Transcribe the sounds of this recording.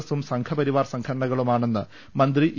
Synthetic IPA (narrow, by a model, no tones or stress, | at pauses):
ɐsumsɐŋkʰɐpɐɾiʋaːrsɐŋkʰɐɾɐɳɐɣɐɭumaːɳe̞nːɨ | mɐnd̪riʔ